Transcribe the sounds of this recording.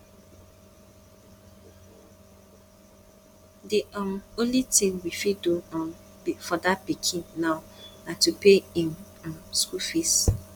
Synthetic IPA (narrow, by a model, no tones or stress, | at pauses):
diʔɔmõnlitĩŋwifiduɔ̃n | ifɔdapikʰinnaʊnatupeĩm | mskufis